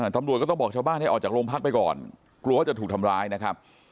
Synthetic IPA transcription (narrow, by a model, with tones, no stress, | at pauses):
aː˧˩t̪a˧mɾu˨˩t̪̚kːt̪bɔː˨˩k̚t͡ɕʰaː˧baː˥˩nha˥˩jʔɔː˨˩t͡ɕaː˨˩kɾoː˧mpʰaː˥˩k̚pa˧jkɔ̰ː˨˩n | klu˧waː˥˩t͡ɕa˨˩t̪ʰuː˨˩kt̪ʰa˧mɾaː˧jna˦˥kʰa˦˥p̚